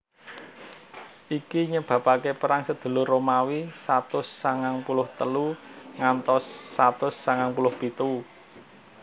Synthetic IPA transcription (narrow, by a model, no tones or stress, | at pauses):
ʔikiɲəb̥ä̤pakepəɾaŋsəd̪̥ṳlʊrːomawisat̪ʊsːaŋaŋpulʊht̪əluŋant̪ɔsːat̪ʊsːaŋaŋpulʊhpit̪u